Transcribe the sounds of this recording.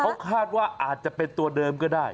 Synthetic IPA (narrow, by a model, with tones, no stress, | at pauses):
kʰa˦˥wkʰaː˥˩t̪̚waː˥˩ʔaː˨˩t̪̚t͡ɕa˨˩pe˧nt̪u˧ɐdɤː˧mkɔː˥˩daː˥˩j